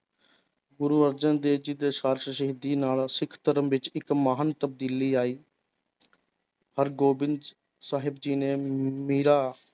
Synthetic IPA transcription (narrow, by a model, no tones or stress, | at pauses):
ɡʊɾuːəɾd͡ʒənd̪eːd͡ʒɪd̪eːʃaːɾʃəʃəɦid̪iːnaːlsɪkʰt̪əɾəmʋɪt͡ʃɪkmaːɦənt̪əb̚d̪iːliːaːiː | həɾɡoːbɪn | saːɦɪbd͡ʒiːneːmiːɾaː